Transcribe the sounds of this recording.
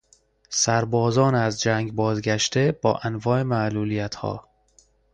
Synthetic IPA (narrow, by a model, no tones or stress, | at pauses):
sæɾbɒːzɒːnæzd͡ʒæːŋɡbɒːzɡæʃt̪e̞bɒ̰ːʔænvɒːe̞mæʔluːlijæt̪hɒ̰ː